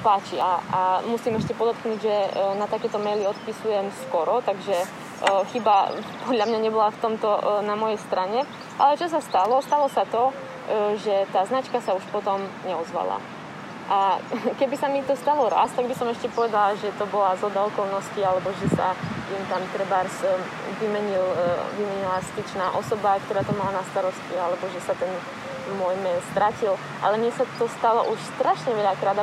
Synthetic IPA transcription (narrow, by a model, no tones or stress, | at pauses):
paːt͡ʃiaamusimɛʃcɛpɔd̪ɔt̪knuːɟʒɛnat̪akɛːt̪ɔmɛjliɔt̪pisujɛmskɔɾɔt̪aɡʒɛ | xibapɔd̪ʎamɲaɲɛbɔlaft̪ɔmt̪ɔnamɔjɛjst̪ɾʔaɲɛ | ʔa̰lɛt͡ʃɔs̬ast̪alɔst̪alɔsat̪ɔ | ʒɛt̪aːznat͡ʃkasauʃpɔt̪ɔmɲɛɔzʋa̰la̰ | ʔakɛbisamit̪ɔst̪alɔɾa̰st̪aɡ̚bisɔmɛʃcɛpɔʋɛd̪alaʒɛt̪ɔbɔlazɦɔd̪aɔkɔlnɔscialɛbɔʒɛsa̰int̪amt̪rɾ̩baɾs | ʋimɛɲilʋimɛɲilaspit͡ʃnaːʔɔsɔbakt̪ɔɾaːt̪ɔmalanast̪aɾɔscialɛbɔʒɛsat̪ɛn | mʊɔjmɛlst̪ɾacil | ʔa̰lɛmɪɛsat̪ɔst̪alɔ̰ʔuʃst̪ɾaʃɲɛʋɛʎakɾaːd̪